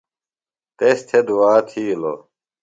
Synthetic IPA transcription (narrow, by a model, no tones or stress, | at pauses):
t̪est̪ʰed̪uaːt̪ʰiːlo̰